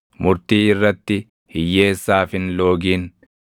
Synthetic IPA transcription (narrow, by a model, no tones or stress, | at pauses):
mʊɾt̪iːɪrːɐt̪ːɪ | hɪjːe̞ːsːaːfɪnlo̞ːɡiːn